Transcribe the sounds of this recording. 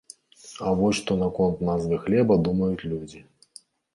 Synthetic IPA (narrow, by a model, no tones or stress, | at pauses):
avɔsʲʂt̪ɔnakɔnt̪nazvɨxlʲɛbɐd̪umɐjut͡sʲlʲud͡zʲi